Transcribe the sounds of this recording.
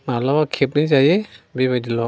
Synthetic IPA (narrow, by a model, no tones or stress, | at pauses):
nalɔkʰep̚nizajɛbibadilɔ